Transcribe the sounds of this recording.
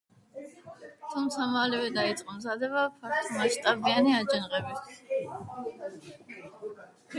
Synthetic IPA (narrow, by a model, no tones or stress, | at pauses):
t̪ʰumt̪sʰamalɛvɛd̪ait̪sʼqʼɔmzad̪ɛβapʰakt̪ʰmaʃt̪ʼabianiad͡ʒɛnʁɛbist̪ʰ